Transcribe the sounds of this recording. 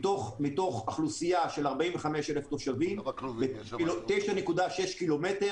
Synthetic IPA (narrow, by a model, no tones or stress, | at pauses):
toχmito̞χaχlusijaʃe̞laʁbaʔimveχameʃeleft̪oʃavimbeoteʃane̞kudaʃeʃkilo̞mete̞